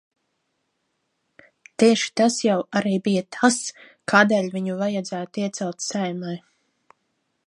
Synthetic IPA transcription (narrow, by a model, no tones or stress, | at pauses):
t̪iɛʃi̥t̪asjawaɾiːbijat̪ʰas | kʰaːd̪eːlʲviɲuvajad̪zæːt̪iɛt̪sɛlˠt̪sajmaj